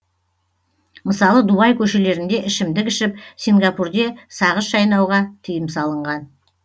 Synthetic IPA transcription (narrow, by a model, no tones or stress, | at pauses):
məsɑlˠəd̪ubɑjkʲʰɵʃe̞le̞ɾɪnd̪e̞ʔɪʃɪmd̪ɪkʲɪʃɪp̚siŋɡɑpurd̪e̞sɑʁəsʒɑjnɑwʁɑt̪ʰijɪmsɑlˠəɴʁɑn